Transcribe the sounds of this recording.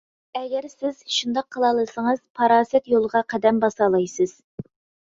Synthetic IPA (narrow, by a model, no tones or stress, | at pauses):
ɛɡʲɛɾsɪz̥ʃund̪ɑqʰːəlˠɑlˠɨsəŋəz̥pʰɑɾɑːsɛt̪jolˠəʁɑqʰɛd̪ɛmbɑsɑlˠɑjsɨz̥